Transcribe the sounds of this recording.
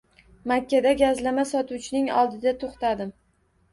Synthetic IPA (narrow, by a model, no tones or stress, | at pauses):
makʲʰːad̪aɡʲazlamasɒt̪uwt͡ʃʰɪnɪŋɒ̰lˠd̪ɪd̪at̪ʰoχt̪ad̪ɪm